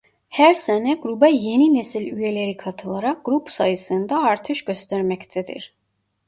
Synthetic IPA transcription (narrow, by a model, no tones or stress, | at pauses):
hæɾsænɛɡɾubɛjeninesilʲyjeleɾikʰɑt̪ʰɯlˠɑɾɑk̚ɡ̥ɾupsɑjɯsɯnd̪ɑːɾt̪ʰɯʃɟø̞st̪ʰæɾmæct̪ʰæd̪ḭɾ